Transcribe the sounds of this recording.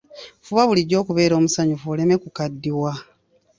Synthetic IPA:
fuβaβuliɟːo̞ːkuβe̞ːɾo̞ːmusaɲufole̞me̞kukadːiwa

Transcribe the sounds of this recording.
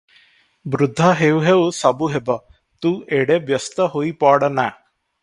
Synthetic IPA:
bɾʊd̪ʱːaɦewɦewsəbuɦebɔ | t̪ueɽebjəst̪əɦoipɔɽna

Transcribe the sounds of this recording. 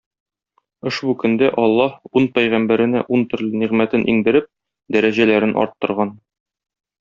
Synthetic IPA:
ŏʃbukɵ̆nd̪æʔɒlˠːɑhunpæjʁæmbæɾɘ̆næʔunt̪ɵ̆ɾlɘ̆niʁmæt̪ɘnʔḭŋd̪ɘ̆ɾɘp̚ | d̪æɾæʑælæɾɘnʔɒ̰ɾt̪ːɤ̆ɾʁɑn

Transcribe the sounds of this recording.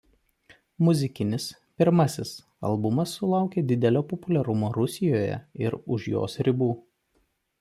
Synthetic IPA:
mʊzʲɪkʲɪnʲɪs | pʲɪɾmɐsʲɪs | ɐ̰lˠbʊmɐsːʊlˠɑˑʊkʲeːd̪ʲɪd̪ʲɛlʲoːpɔpʊlʲɛɾʊmoːɾʊsʲɪjoːjɛ̰ɪɾʊʃjo̰ːsɾʲɪbuː

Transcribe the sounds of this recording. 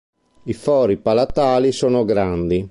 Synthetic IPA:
ifɔːɾipalat̪aːlisoːnoɡɾand̪i

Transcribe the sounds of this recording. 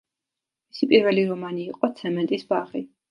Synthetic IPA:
misipʼiɾvɛliɾɔmaniːqʼɔt̪sʰɛmɛnt̪ʼisbaʁi

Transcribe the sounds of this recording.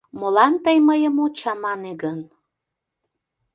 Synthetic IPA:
molɑnt̪əjməjəmot͡ɕɑmɑneɡən

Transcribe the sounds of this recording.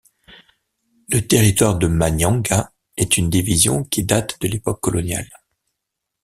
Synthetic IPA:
lət̪eʁit̪waʁd̪əmaɲjɑ̃ɡa | ɛt̪ynd̪ivizjɔ̰̃kʲʰid̪at̪d̪əlepɔkːɔlɔnja̰l

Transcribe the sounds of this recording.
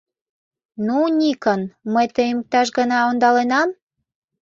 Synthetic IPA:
nunʲikənməjt̪əmək̚t̪ɑʃ̬ɡənɑond̪ɑlenɑm

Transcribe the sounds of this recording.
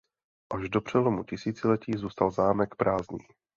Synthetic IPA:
ʔaʒdo̞pr̝̥ɛlomucɪsiːt͡sɪlɛciːzuːst̪alzaːmɛkpɾaːzɲḭː

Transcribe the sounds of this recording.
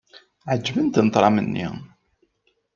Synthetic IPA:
ʕəd͡ʒːvənt̪nət̪ˤɾˤɑmənːḭ

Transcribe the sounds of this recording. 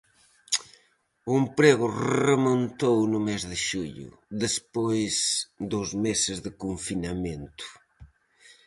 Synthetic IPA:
ʊempɾeɣʊrremõnt̪ownʊmezðɪʃuʎʊ̰ | ðespojzd̪ʊzmesɪzðɪkuɱfinamẽnt̪ʊ̥

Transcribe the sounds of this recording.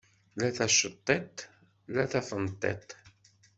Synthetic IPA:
læθæʃːət̪ˤːet̪ | læθæfənt̪ˤːḛt̪

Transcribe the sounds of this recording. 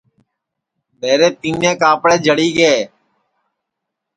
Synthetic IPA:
ɓeːɾeːt̪iːnẽːkaːpɽeːd͡ʒʱəɽiːɡeː

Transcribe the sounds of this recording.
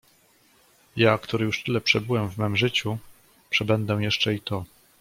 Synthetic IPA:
jakt̪uɾɘjuʂt̪ɘlɛpʂɛbɘwɛmvmɛmʐɘt͡ɕu | pʂɛbɛnd̪ɛ̃jɛʂt͡ʂɛit̪ɔ

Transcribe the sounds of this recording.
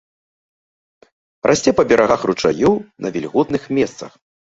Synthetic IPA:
rʔasʲt͡sʲɛpɐbʲɛɾaɣaxrut͡ʂa̰junɐvʲɛlʲɣɔt̪nɨxmʲɛst̪sɐx

